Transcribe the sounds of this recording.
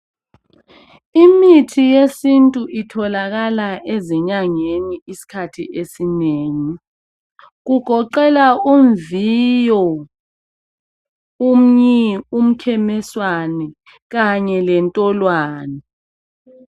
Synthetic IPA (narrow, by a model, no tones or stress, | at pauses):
imitʰijesintʼuʔitʰɔlaɣalaʔeziɲaŋeniisi̥kʰatʰḭʔesineːŋi | ɣuɡ̥ʱɔǃɛlauɱvijɔ | um̩ɲium̩kʰɛmɛswanɛ | ɣaɲɛlɛntʼɔlwaːnɛ